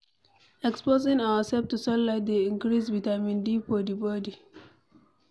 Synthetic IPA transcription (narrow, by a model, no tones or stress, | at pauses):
ɛkspozɪ̃ŋawəsɛlftusɔllaɪt̚d̪eĩŋkɾisbitamĩndifɔdibɔdi